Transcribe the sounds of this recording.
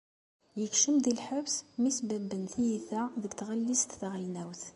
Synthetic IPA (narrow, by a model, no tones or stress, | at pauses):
jəkʃəmd̪ilħəbsmisbæbːənθijiθæðəɡt̪ʁælːist̪θʁinæwθ